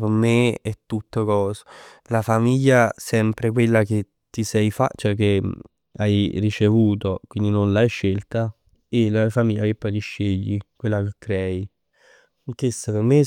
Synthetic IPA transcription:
permeɛt̪ːut̪ːokɔːso̥ | lafamiʎːasɛmpɾek̬welːak̟e | t̪ːisɛjfa̰t͡ʃɛk̟e | ajrit͡ʃevuːt̪okwind̪inonlajʃːelt̪a | elafamiʎːakepːɔjt̪iʃːeʎːikwelːakekːɾɛːi | ŋkesːaperme

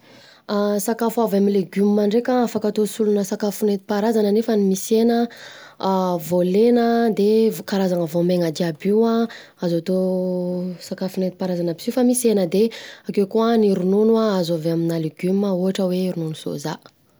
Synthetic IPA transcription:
asakafuavamileɡumːaɳɖ͡ʐekʲaafakat̪osulunəsakafunet̪i̥paɾazanənefənimisenə | volenəd̪evkaɾazaŋəvomeŋad̪iabiwa | azat̪o | sakafunet̪i̥paɾazanəbi̥sifəmisenəd̪eakewkuəniɾununwaazaveaminaleɡymːəuaʈ͡ʂəweiɾununuso̰za̰

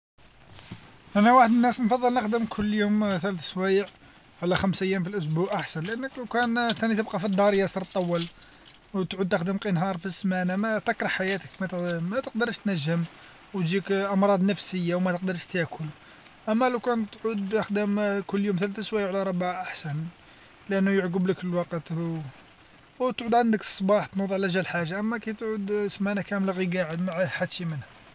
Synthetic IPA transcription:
ʔænæwaħəd̪ənːæsnfɑðˤːəlnəxd̪əmkʰʊlːjumθælæθəswæjəʕ | ʕlæxæmsʔəjːæmfilʔʊs̬buʕʔaħsænlʔænːəkləwkænt̪ænit̪əb̚qɑfid̪ˤːɑɾˤəjɑsˤɑɾˤt̪ˤːɑwːɑl | wt̪ʕud̪̚t̪əxd̪əmqənɦɑɾˤfismænæmæt̪ɑkɾˤɑħajæt̪əkmæmæt̪əq̚d̪ɑɾˤəʃt̪næʒːəm | w̪d͡ʒikʔɑmɾˤɑd̪ˤnəfsəjːawmæt̪əq̚d̪ɑɾˤʃt̪jækʰʊl | ʔəmːæləwkænt̪ːʕud̪əxd̪əmkʊlːjumt̪ælæθæswæjʕlæɾˤɑbʕʔaħsæn | lʔænːʊjəʕɡəbləkfəlwɑqət̪ | wt̪ʕud̪ʕand̪əksˤbɑħt̪nud̪ˤʕlæʒælħaʒːaʔəmːækæjt̪ʕud̪smænækæməlɣiɡaʕəd̪maʕaħad̪ʃimənhæ

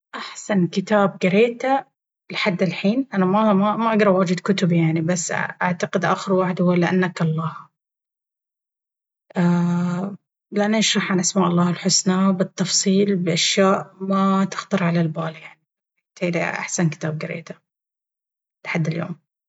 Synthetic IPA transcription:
ʔaħsankɪt̪aːb̚ɡaɾeːt̪a | lɪħad̪ːɪlħiːnʔanamamamaʔaɡɾˤɑwad͡ʒɪd̪kʊt̪ʊbjaʕnibasːʔaʕt̪aqɪd̪ʔaːxɪɾwaːħɪd̪hʊwalːɪʔa̰nːakɑlˤːɑːh | ʔaː | lɪʔanːaʔaʃɾˤɑħʕanʔasmaːʔɑlˤːɑːhɪlħʊsnabɨt̪ːɑfsˤiːlbɪʔaʃjaːʔmat̪ɪ̥xt̪ɑɾˤʕalalbaːljaʕni | t̪eːlḭʔa̰ħsankɪ̥t̪aːb̚ɡɪɾḛːt̪ḁ | lħad̪ːɪljo̰ːm

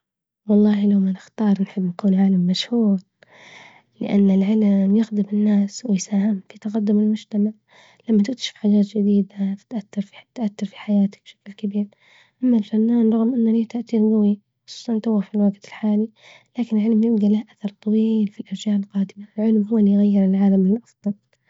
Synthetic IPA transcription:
wɑlˤːɑːhilawmanɪxt̪ɑːɾˤnħɪbːnakuːnʕaːlamːaʃhuːɾ | lɪ̰ʔa̰nːɪlʕɪlmjɪxd̪ɪmɪnːaːswɪjsaːhɪmfit̪aɣad̪ːʊmɪlmʊd͡ʒt̪amaʕ | lamːat̪ɪk̚t̪aʃɪ̥fħaːd͡ʒaːt̪d͡ʒɪd̪iːd̪afɪ̥t̪ʔaθːɑɾˤfit̪ʔaθːɑɾˤfi̥ħajaːt̪ɪ̥k̚b̥ʃḁklkabiːɾ | ʔamːalfanːaːnˤɑɣmʔɪnːaliːt̪aʔt̪iɾɡawi | xʊ̥sˤu̥ːsˤɑnnt̪awːafilwaɡt̪ɪlħaːli | laːkɪnɪlʕɪlmjɪbd̪alahʔaθɑɾˤt̪ˤɑwiːlfilʔɑɾˤd͡ʒaːʔɪlqɑːd̪ɪmaɪlʕɪlmhuːlːijɣajːɪɾɪlʕaːlamɪlʔɑfðˤɑl

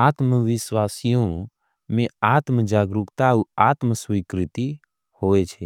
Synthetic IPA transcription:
aːt̪məʋɪʃwaːsijõ | mẽaːt̪məd͡ʒaːɡɾukt̪auaːt̪məswikɾɪt̪i | hoːet͡ʃʰe

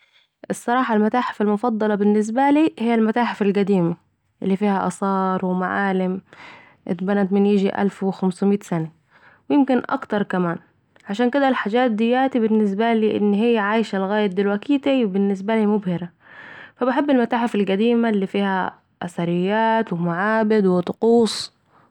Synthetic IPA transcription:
ʔɪsˤːɑɾˤɑːħɑlmat̪aːħɪ̥falmʊfɑd̪ˤːɑlɑbɪnːɪs̬baliːhɪjːalmat̪aːħɪfalɡad̪iːma | ʔɪlːifiːhaʔɑ̰sˤɑːɾˤwɪmaʕaːlɪm | ʔɪ̰t̪banat̪mɪnjɪd͡ʒiʔa̰lfwɪxamsmiːt̪sana | wjɪmkɪnʔɑ̰kt̪ɑɾˤkamaːn | ʕaʃaːnkɪd̪alħaːd͡ʒaːt̪̚d̪ɪjːaːt̪ibɪnːɪs̬baliːʔɪ̰nːɦɪjːaʕaːjʃalɣaːjad̪ɪlwakiːt̪ibɪnːɪs̬baliːmʊbhɪɾa | fabaħɪbːɪlmat̪aːħɪfalɡad̪iːmalːifiːha | ʔasaɾɪjːaːt̪wɪmaʕaːbɪd̪wɪt̪ˤʊquːsˤ

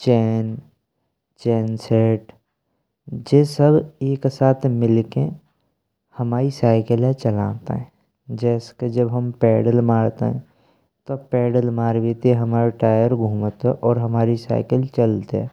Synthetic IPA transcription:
t͡ʃɛːn | t͡ʃɛːnseːʈ | d͡ʒeːsəbeːksaːt̪ʰmɪlke | həmaːɾisaːɪkəlet͡ʃəlã̰ːt̪ḛɦɛ̃ | d͡ʒɛːsked͡ʒəbɦəmpɛːɖəlmaːɽt̪ḛɦɛ̰̃ | t̪opɛːɖəlmaːɾʋit̪iɦəmaːɾeʈaːjəɾɡʱũːmət̪ɛʔɔːɾɦəmaːɾisa̰ːɪkəlt͡ʃəlt̪eɛ̰̃ː

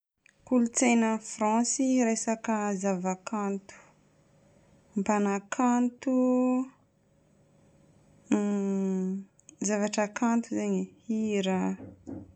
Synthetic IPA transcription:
kulut͡sejnəfrɑ̃siɾesakəzavakʰant̪u̥ | mpanakʰant̪u | zavaʈ͡ʂəkant̪uzaɲihiɾa

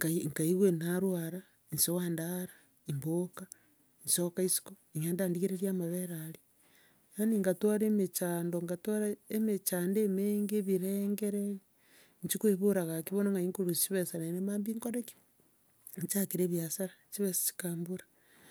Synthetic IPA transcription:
ŋkaiŋkaiɣwenaɾwaɾa | insowaːndaɾa | imboka | nsokaisi̥koiŋeːndaːndiɣiɾeɾiamaβeɾaɾi | aniŋɡatwaɾemet͡ʃaːndoŋɡatoɾaemet͡ʃaːndeːmeːŋɡeβiɾeŋɡeɾei | ɲt͡ʃikweβoɾaɣakiβonoŋɡaiŋkuɾusiβesanenemaːmbiŋkoɾeki̥ | ɲt͡ʃakiɾeːβjasaɾat͡ʃiβese̥t͡ʃi̥kaːmbuɾḁ

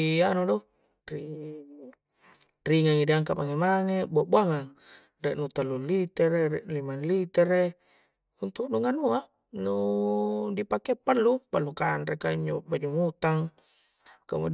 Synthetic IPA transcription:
anudo | ri | riŋaŋidiaŋkamaŋemaŋebuaʔbuaŋaŋ | rɛʔnut̪alːulit̪ɛɾerɛʔlimanlit̪ɛre | unt̪uʔnuŋanua | nu | dipakepalːupalːukanɾekaiɲd͡ʒobad͡ʒuŋut̪aŋ | kamu

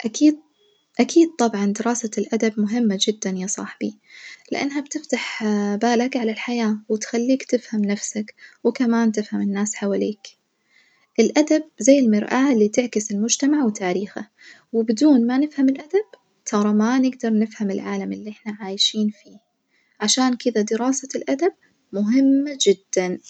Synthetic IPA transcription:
ʔakiːd̪̚ | ʔakʰiːd̪̚t̪ˤɑbʕɑnd̪ɪɾɑːsalʔad̪abmʊɦɪmːad͡ʒɪd̪ːanjaːsˤɑ̰ħb̥ilɪʔa̰nːɦabt̪ɪft̪aħbaːlakʕalalħajaːwɪt̪xalːiːkt̪ɪfhamnafsakwɪkamaːnt̪ɪfhamɪnːaːsħawaliːk | ʔɪlʔad̪ab̚zajːɪlmɪɾʔalːit̪ɪʕkɪsɪlmʊd͡ʒt̪amaʕwɪt̪aːɾiːxa̰ | wɪbɪd̪uːnmanɪfhamɪlʔad̪ab̥̚ | t̪ʰɑɾˤɑmanɪɡd̪ɑɾˤnɪfhamɪlʕaːlamɪlːiʔɪħnaʕaːjʃiːnfiː | ʕaʃaːnkɪd̪ad̪ɪɾɑːsalʔad̪ab̚ | mʊɦɪmːad͡ʒɪd̪ːan

